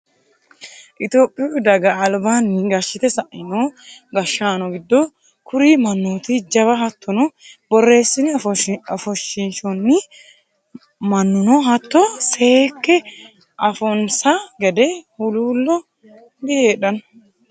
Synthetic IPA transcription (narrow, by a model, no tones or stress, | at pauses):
ʔɪt̪o̞ːpʼːɪjd̪ɐɡɐːlbaːnːɪɡɐʃːɪt̪ɛsɐʔɪnoːɡɐʃːaːnɔɡɪd̪ːɔ | kʊɾiːmɐnːuːt̪ɪd͡ʒɐβɐɦɐt̪ːɔnɔbɔrːe̞ːsːɪnɪɐfɔʃːɪnʃɔnːɪ | mɐnːʊnɔːɦɐt̪ːɔseːkːɛ | ʔɐfɔnsaɡɛd̪ɛhʊluːlːɔ | bɪheːᶑɐn